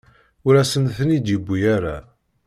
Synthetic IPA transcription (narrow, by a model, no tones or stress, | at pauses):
ʊɾæsənθənid̪jəbʷːijaɾa̰